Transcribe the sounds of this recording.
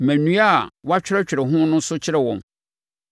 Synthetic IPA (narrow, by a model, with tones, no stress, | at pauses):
mæ̃˨nũ˦a˦˨wa˦t͡ɕᶣɪ˦ɾɛ˦t͡ɕᶣɪ˨ɾɛ˨ɦʊ̃˦nʊ̃˦sʊ˦t͡ɕʰɪ˦ɾɛ˨wɔ̃˨m